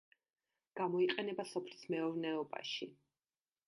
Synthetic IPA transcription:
ɡ̥amɔiqʼɛnɛbasɔpʰlismɛɔvnɛɔba̰ʃi

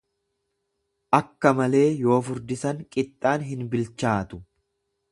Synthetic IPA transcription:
ʔɐkːɐmɐle̞ːjo̞ːfʊɾd̪ɪsɐŋkʼɪt̪ʼːaːnɦɪnbɪlt͡ʃːaːt̪ʊ̥

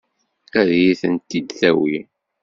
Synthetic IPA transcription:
æðjiθənt̪ːid̪θæwi

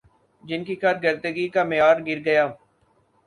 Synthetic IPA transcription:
d͡ʒɪnkikɐɾɡəɾd̪əɡikamɪjaːɾɡɪɾɡɐjaː

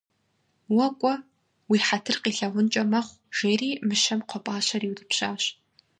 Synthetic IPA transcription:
wɐkʷʼɔ | wiːħatʰɨrqiːɬɐʁʷʊnt͡ʃʼɐmɐχʷ | ʒ̥eːriːmɨʃɐmqʷʰɔpʼaːɕɐriːwdɨpɕaːɕ

